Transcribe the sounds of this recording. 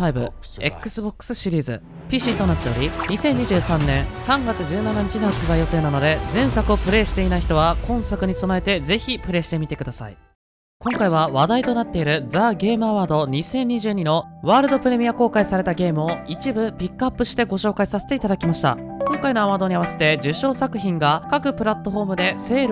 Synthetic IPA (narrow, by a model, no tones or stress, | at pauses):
aibɯ̟̰ | e̞̰kːɯ̟sɨbokːɯ̥sɨɕiɾʲiːzɨ̰ | pʲiɕit̪o̞nat̪ːe̞o̞ɾʲiɲ̟isẽ̞ɲ̟ːiʑɨːsãnːẽ̞ɰ̃sãŋɡat͡sɨʑɨːnanaɲ̟it͡ɕinohat͡sɨbaijo̞t̪e̞ːnano̞d̪e̞zẽ̞ɰ̃sakɯ̟o̞pɯ̟ɾe̞ːɕi̥t̪e̞inaiçi̥t̪o̞βakõ̞ɰ̃sakɯ̟ɲ̟iso̞naet̪e̞d͡ze̞çʲipɯ̟ɾe̞ːɕi̥t̪e̞mʲit̪e̞kɯ̟d̪asa̰ḭ | kõ̞ŋkaiβ̞aβad̪ait̪o̞nat̪ːe̞iɾɯ̟d͡zaːɡe̞ːmɯ̟aβaːd̪o̞ɲ̟isẽ̞ɲ̟ːiʑɨːɲ̟ino̞βaːɾɯ̟d̪o̞pɯ̟ɾe̞mʲiako̞ːkaisaɾe̞t̪aɡe̞ːmɯ̟oit͡ɕibɯ̟pʲikːɯapːɯ̟ɕi̥t̪e̞ɡo̞ɕo̞ːkaisase̞̥t̪eit̪ad̪akʲimaɕi̥t̪a̰ | kõ̞ŋkaino̞aβaːd̪o̞ɲ̟iaβ̞ase̞̥t̪e̞d͡ʑɨɕo̞ːsakɯ̟çĩŋɡakakɯ̟pɯ̟ɾat̪ːo̞ɸo̞ːmɯ̟d̪e̞se̞ːɾ